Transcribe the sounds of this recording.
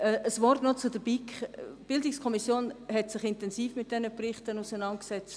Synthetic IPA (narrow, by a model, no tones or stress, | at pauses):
əʔəsvɔrtnɔt͡sʊdəb̥ikb̥ɪldɪkskʰɔmisjoːnhɛtsɪχɪntɛnsiːfmɪt̚d̥ɛnəprɪχtənusɛnɑntksɛt͡st